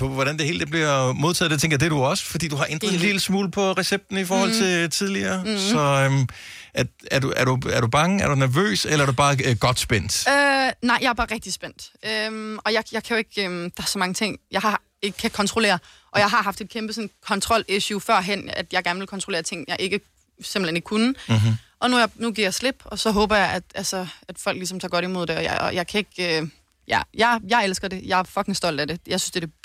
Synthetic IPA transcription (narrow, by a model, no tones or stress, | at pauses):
pʰɒ̽ʋɒɾænd̥e̝he̝ːld̥eb̥liɐmo̝ð̞ˠt͡sʰɛ̰ð̥ˠet͡sʰeŋɡ̥ɐd̥ed̥uɒ̽sə̥fɒd̥ḭːduhɑ̈ʔend̥ʁˠɐðˠenlilsmuːlpʰɒ̽ʁɛseb̥̚d̥n̩ifɒːhɒ̽lt͡sʰe̝t͡sʰið̞ˠliɐːsɒ̽øm | ææɐduæɐɾ̥uæɐɾ̥ub̥ɑ̈ŋəæɐd̥unæɐʋø̰ːselɐæɐdubɑ̈ːɡ̥ɒ̽d̥sb̥en̰d̥ønɑ̈ɪ̰jɑ̈ɐb̥ɑ̈ːʁɛɡ̥̚d̥isb̥en̰d̥ømɒ̽jɑ̈jɑ̈ɪkʰæjoe̝ɡ̥ømd̥ɑ̈æɐsɒ̽mɑ̈ŋət͡sʰe̝ŋ̰jɑ̈ɪhɑ̈ | e̝ɡ̥ə̥kʰækʰɒ̽nt͡sʰʁole̝̰ːɐ | ʔɒ̽jɑ̈ɪɦɑ̈ɦɑ̈fd̥e̝d̥̚kʰemb̥əsɔ̽nkʰɒ̽nt͡sʰʁɒ̽l̰eɕufɶɐ̰ɦen̰æd̥jɑ̈ɪɡ̥æɐnəʋelkʰɒ̽nt͡sʰʁole̝ːɐt͡sʰe̝ŋ̰jɑ̈ɪʔe̝ɡ̥ə | semb̥l̩ene̝ɡ̥kʰunəʔɒ̽nunuɡ̥iɐ̰jɑaɪsle̝b̥ɒ̽sɒ̽ɦɔ̽ːb̥ɐjɑ̈ɪæd̥ælsɒæd̥fɒ̽l̰ɡ̥lisɒ̽mt͡sʰɑ̈ːɡ̥ɒɾimo̝ð̞̰ˠd̥e̝ɒ̽j̰ɒ̰jɑ̈ɪkʰæe̝ɡ̥ø | jæjɑɪjɑ̈ɪelsɡ̥ɐd̥e̝jɑ̈æɐfɒ̽ɡ̥eŋsd̥ɒ̽l̰d̥æde̝jɑ̈ɪsynsd̥e̝d̥e